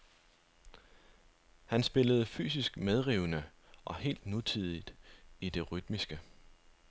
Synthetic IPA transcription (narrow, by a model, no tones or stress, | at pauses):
hænsb̥e̝ləð̞̩ˠfy̰ːs̬isɡ̥með̞ˠʁiʊnəʔɒ̽he̝̰ːld̥nut͡sʰið̰ˠid̥id̥e̝ʁyd̥misɡ̥ə